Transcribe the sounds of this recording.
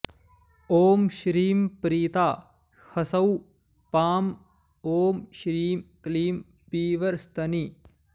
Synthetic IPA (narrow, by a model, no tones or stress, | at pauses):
oːmʃɾiːmpɾiːt̪aː | hɐsɐw | paːm | oːmʃɾiːmkliːm | piːʋɐɾst̪ʰɐni